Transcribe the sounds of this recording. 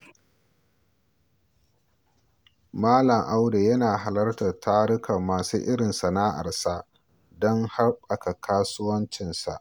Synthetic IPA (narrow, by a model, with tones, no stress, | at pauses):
maː˦lɐ˨ŋʔa˦wde˨jɐ˦naː˨ɦa˨lɐ˦rtɐ˨rtʰaː˦ɽɪ˦kɐ˨mːaː˨suː˦ʔɪ˦ɽɪ˨nsa˨na˦ʔa̰˨ɽsa˦ | dɔ˦ŋha˦rɓɐ˨ka˨kʰaː˦sʊ˦wɐ˦nt͡ʃɪ˨nsa̰˨ʔ